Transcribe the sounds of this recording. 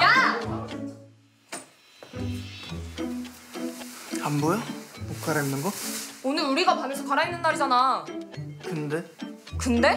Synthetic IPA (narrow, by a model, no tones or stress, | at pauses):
ja | ambojopokʰaɾainːɯnɡʌonɯɾuɾiɡapamjʌsʰʌkaɾainːɯnːaɾid͡ʑana | kɯnde̞ | kɯnde̞